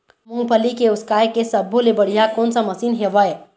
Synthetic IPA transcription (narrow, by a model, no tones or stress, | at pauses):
muŋpəlikeuskajkesəbʱolebəɽ̤ijakonsəməsinɦebəj